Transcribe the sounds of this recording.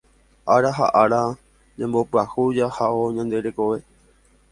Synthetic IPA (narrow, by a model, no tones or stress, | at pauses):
ʔaɾaɦa̰ʔaɾa | d͡ʒãmbo̞pɨahud͡ʒahaoɲãnd̪e̞ɾe̞ko̞ʋe̞